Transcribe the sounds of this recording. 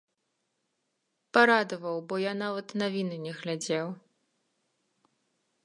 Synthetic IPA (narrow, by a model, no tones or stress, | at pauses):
paɾad̪ɐvɐwbɔjanavɐt̪navʲinɨnʲɛɣlʲad͡zʲɛw